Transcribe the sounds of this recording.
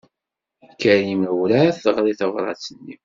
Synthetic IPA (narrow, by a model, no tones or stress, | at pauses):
kːæɾiməwɾæθəʁɾiθəvɾˤɑ̰t͡sːənːi